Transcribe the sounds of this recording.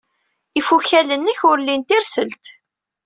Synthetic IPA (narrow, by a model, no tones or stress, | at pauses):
ifuçælənːəçʊɾlːint̪iɾsəlt̪